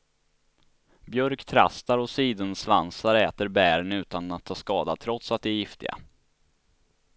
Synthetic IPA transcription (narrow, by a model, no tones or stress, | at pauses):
bjœɾkt̪ʰɾa̰st̪aɾɔsiːd̪ənslansaɾɛːt̪əɾbæːɾnʉ̟ːt̪anat̪ʰːɑːskɑːd̪at̪ʰɾɔt̪sat̪̚d̪ɛjɪft̪ɪ̰ɡa̰